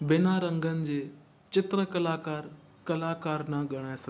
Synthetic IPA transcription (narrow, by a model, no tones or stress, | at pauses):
bɪnaːɾɐ̃ŋɡʱənɪ̆d͡ʑeː | t͡ɕɪt̪ɾəkɐlaːkaːɾ | kɐlaːkaːɾnaɠɐɽ̃aːsɐ